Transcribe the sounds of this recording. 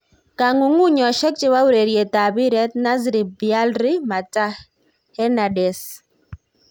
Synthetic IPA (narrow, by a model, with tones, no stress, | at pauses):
ka˨ŋu˨ŋu˦ɲɔ˨ʃɛ˦k̚t͡ʃɪ˦wa˦wɾe˨ɾje˨ta˨bi˦ɾɛ˦t̚na˦zɾi˨bi˨a˦lɾi˦ma˨ta˦ | hɛ˦na˨dɛ˨s